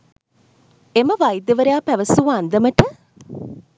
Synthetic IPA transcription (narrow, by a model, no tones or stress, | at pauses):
eməʋajd̪jəʋəɾejaːpæʋəsuːand̪əməʈə